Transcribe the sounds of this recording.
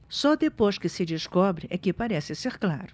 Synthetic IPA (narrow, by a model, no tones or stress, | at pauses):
sɔd̪epojskɪsɪd͡ʒɪskɔbɾɪʔɛkɪpaɾɛsɪseɾkla̰ɾʊ